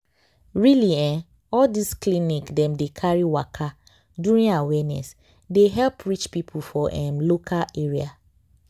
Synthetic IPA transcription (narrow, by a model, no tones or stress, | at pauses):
ɹiliɛ̃n | ɔldisklinikdɛ̃mdekʰaɹiwakʰa | duɹĩnawɛnɛ̰s | deɦɛlpɹit͡ʃpipʰufɔʔɛ̃nlokʰaeɹia